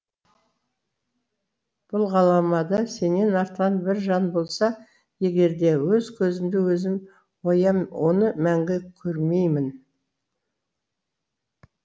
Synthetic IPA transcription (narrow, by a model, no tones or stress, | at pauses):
b̥ʊlˠʁɑlˠɑmɑd̪ɑse̞nːe̞nɑɾt̪ʁɑnbɪɾʒɑnbo̞lˠsɑ | je̞ɡʲe̞ɾd̪e̞wɵzkʲʰɵzɪmd̪ɪwɵzɪm | wojɑo̞nəmæŋɡʲɪkʲʰɵɾme̞jmɪn